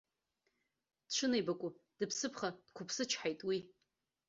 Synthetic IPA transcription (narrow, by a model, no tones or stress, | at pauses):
d̥ʈ͡ʂʷʰɨnejbakʷʼʊd̥ɨpʰsɨpʰχad̥kʷʰʊpʰsɨt͡ʃʰħajtʼwi